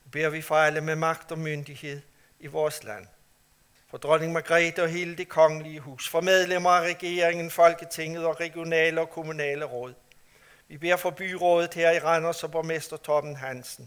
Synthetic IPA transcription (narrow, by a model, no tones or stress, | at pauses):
ʋib̥e̝ɐʋifɑ̈ɪləmemɑ̈ɡ̥d̥ɒ̽mønd̥ihe̝ð̞̰ˠ | iʋɒːslæn̰ | fɒ̽d̥ʁɔne̝ŋmæɡ̥ʁɛːd̥ɒɦe̝ːləd̥e̝kʰɒ̽ŋəliəɦṵːsfɒ̽með̞ˠlemɐæʁɛɡ̥e̝ɐʁeŋən̩fɒ̽lɡ̥ət͡sʰe̝ŋð̞̩ˠɒ̽ʁɛɡ̥jo̝nɛːləɒ̽kʰo̝munɛ̰ːləʁɔːð̰ˠ | ʋib̥e̝ɐ̰fɒ̽b̥y̰ːʁɔːð̞ˠð̩ˠheɐ̰iʁɑnɐsɒ̽b̥ɒmesd̥ɐt͡sʰɒb̥n̩ɦænsn̩